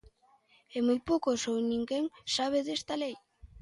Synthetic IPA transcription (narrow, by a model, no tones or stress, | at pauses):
emojpokosownĩŋɡeŋsaβ̞eðest̪alej